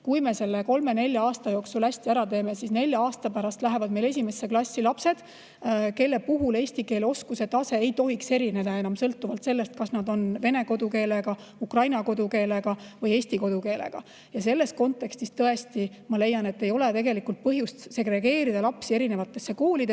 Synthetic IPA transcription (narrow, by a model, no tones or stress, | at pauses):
kujme̞se̞lːeko̞lme̞ne̞lʲjɑɑːst̪ɑjo̞ːksulhæsʲt̪iæɾɑt̪e̞ːme̞sisne̞lʲjɑɑːst̪ɑpæɾɑst̪læɦe̞vɑd̪̚me̞jle̞s̬ʲime̞sːeklɑsʲːilɑpse̞d̪̥ | ke̞lːe̞puɦule̞ːsʲt̪ike̞ːleo̞skuse̞t̪ːˑɑse̞ejt̪o̞ɦikse̞ɾine̞d̪ɑe̞nɑmsɤlt̪ːˑuvɑlt̪se̞lːe̞st̪̚kɑsnɑd̪o̞nve̞ne̞ɡo̞d̪uke̞ːleɡ̥ɑ | ukrɑjnɑko̞d̪uke̞ːleɡ̥ɑvɤje̞ːsʲt̪iko̞d̪uke̞ːlḛɡ̥ɑ̰ | jɑse̞lːe̞st̪̚ko̞nt̪ːˑe̞kst̪ist̪ɤe̞st̪i | mɑle̞jːɑne̞t̪ːe̞jo̞le̞t̪e̞ɡe̞likːult̪̚pɤɦjust̪se̞ɡɾe̞ɡe̞ːɾid̪ɑlɑpsieɾine̞vɑt̪ːˑe̞sːe̞koːlid̪e